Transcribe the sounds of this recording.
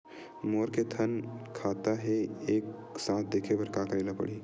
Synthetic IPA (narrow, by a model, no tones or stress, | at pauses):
moːɾket̪ʰɐnkʰaːt̪aɦɛeːksãːt̪̚ʰd̪eːkʰebɐɾkaːkəɾeːlapɐ̰ɽiː